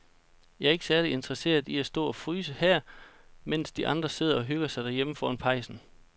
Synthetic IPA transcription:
jɑ̈æɐe̝ɡ̥əsæɐlie̝nd̥ʁɐse̝̰ːɐð̩ˠiæsd̥ɔ̰ːɒ̽fʁyːs̬əhæɐ̰men̰sd̥iʔɑ̈nd̥ʁɐse̝ð̞̰ˠɐɒ̽ɦøɡ̥ɐsɑ̈ɪd̥æɐjeməfɒːɐnpʰɑ̈ɪsn̩

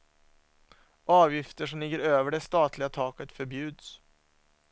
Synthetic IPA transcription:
ʔɑːvjɪft̪əʂɔmlɪɡːəɾøːvəɖɛst̪ɑːt̪ʰlɪɡat̪ʰɑːkət̪fœɾbjʉ̟ːd̪s

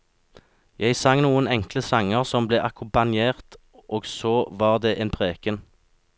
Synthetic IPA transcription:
jæɪsɑŋnuːənɛŋkləsɑŋəʁsɔmbleːʔɑkʰʊmpɑnjeːʁt̪ | ʔoːɡsoʋɑːʁd̪eːʔeːnpʰʁeːkən

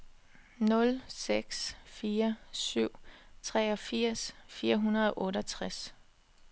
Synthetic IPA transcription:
nɔ̽lseɡ̥sfiːɐsyʊ̰t͡sʰʁɛːɒ̽fiɐ̰sfiːɐɦunɐðˠɒ̽ʔɔ̽ːɾɒt͡sʰʁas

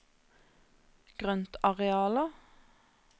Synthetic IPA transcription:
ɡ̥ʁœnt̪ʰɑʁɛɑːlə

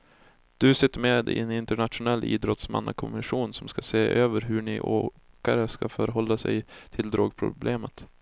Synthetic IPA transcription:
d̪̥ɵsɪt̪ːəmeːd̪̰ɛnɪnt̪əɳat̪ɧʊnɛlːʔḭːd̪ɾɔt̪sma̰nːakʰɔmmɪʂuːnsɔmskaseːʔøːvəɾɦɵɳɪʔoː | kaɾəskafœɾɦɔlːasɛ̰jt̪ʰɪld̪ɾoːɡ̚pʰɾʊ̰bleːmət̪

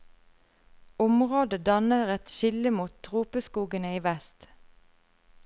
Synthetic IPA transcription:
ʊmʁoːd̪əd̪ɑnəʁɛt̪ʃɪləmuːt̪̚ʰt̪ʁuːpəskuːɡənəiːʋɛst̪

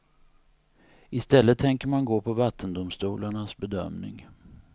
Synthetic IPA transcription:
ɪst̪ɛlːət̪ʰːɛŋkəɾmanɡoːpʰɔvat̪ʰːənd̪ʊmst̪uːlaɳasbɛd̪œ̰mnɪ̰ŋ

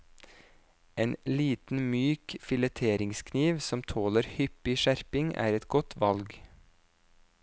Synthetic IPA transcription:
eːnliːt̪n̩myːkfɪlɛt̪ʰeːɾɪŋskʰniːʋsɔmt̪ʰoːləɾhʏpɪʃæɾpɪŋæ̰ːɾɛt̪ɡɔt̪ʰʋɑlɡ

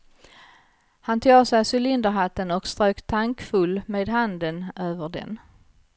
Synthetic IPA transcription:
hant̪ʰuːɡsæjsɵlɪnd̪əɾɦat̪ːənɔkst̪ɾøːkt̪ʰaŋkfɵlːmeːd̪ɦand̪ənøːvəɖɛ̰n

